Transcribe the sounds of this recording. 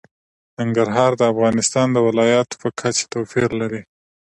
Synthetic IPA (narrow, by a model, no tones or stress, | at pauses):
naŋɡaɾɦɑɾd̪əafɣɑnɪst̪ɑnd̪əwɪlɑjɑt̪o̥pəkʰat͡ʃe̥t̪owfiɾlaɾi